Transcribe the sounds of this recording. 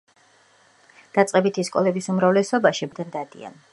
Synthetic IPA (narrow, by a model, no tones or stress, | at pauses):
d̪̥at̪sʼqʼɛbit̪ʰiskʼɔ̰lɛbisumɾavlɛsɔbaʃibd̪ɛɾd̪ad̪ḭa̰n